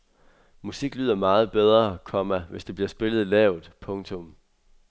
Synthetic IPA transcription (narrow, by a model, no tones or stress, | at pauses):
musiɡ̥lyːðˠɐmɑ̈ːð̞̩ˠb̥eð̞ˠʁɐkʰɒ̽mæʋe̝sd̥e̝b̥liɐsb̥e̝lð̞̩ˠlɛːʊð̩ˠpʰɔ̽ŋt͡sʰɔ̽m